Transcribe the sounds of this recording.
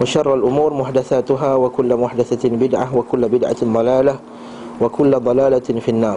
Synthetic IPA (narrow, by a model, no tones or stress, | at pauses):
waʃɑrˤːalʔʊmuːɾmʊħd̪aθaːt̪ʊɦaːwakʊlːmʊħd̪aθabɪd̪ʕawakʊlːbɪd̪ʕa̰d̪ˤɑlaːla | wakʊlːd̪ˤɑlaːlafinːɑːɾˤ